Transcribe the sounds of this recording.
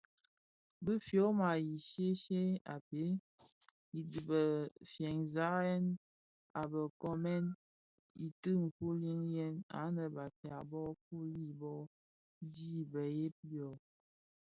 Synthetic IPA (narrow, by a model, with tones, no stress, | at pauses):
bə˦fjo˨˦ma˨ji˨ʃe˦ʃe˦a̰˨pe˦ | i˨di˨bə˨fjɛ˨ŋza˨˦ɛ˦n | a˨bə˨kɔ˦mɛ˦n | i˨tɨ˦ŋ̩˨ku˦li˦ŋjɛ˦na̰˨˦nə˨ba˨pja˨bɔ˦k̚u˦li˦˨bɔ˦ | di˦bə˨je˦pi˦ɔ˨